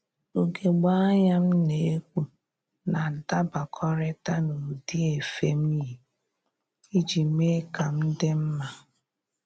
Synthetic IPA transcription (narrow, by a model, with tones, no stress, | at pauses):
o˨ɡe˨ɡ͡ba˦a˦ɲa˦m̩˦ne˨e˦kʷu˦ | na˨n̩˨ta˦ba˨kʰɔ˦ɾɪ˦ta˦nu˨di˦e˨fe˦m̩˦i˦ɦi˨ | i˦d͡ʒi˨me˦ka˨m̩˦dɪ˦m̩˦ma˨